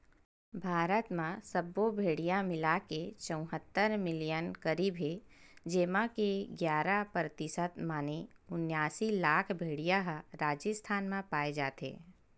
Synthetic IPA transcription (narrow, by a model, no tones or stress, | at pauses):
bʱaːɾət̪mãsəbobʱeːɽijamɪlaket͡ʃə̃ʊ̃ɦət̪ːəɾmɪlijənkəɾiːbʱɦed͡ʒeːmãkeɡjaːɾapɾət̪ɪsət̪maːneʊnjaːsilaːkʰbʱeːɽijaɦɾaːd͡ʒəst̪ʰaːnmãpaːed͡ʒa̰ːt̪ḛː